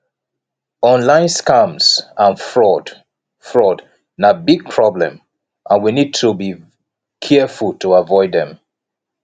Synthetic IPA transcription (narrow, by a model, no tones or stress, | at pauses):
ɔ̃nlãɪ̃nskãmsãnfɹɔd | fɹɔd | nabiɡ̚pʰɹ̥ɔblɛ̰̃m | ʔãnwinid̚tʰubi | kʰɛfultuavɔɪd̪ðɛ̃m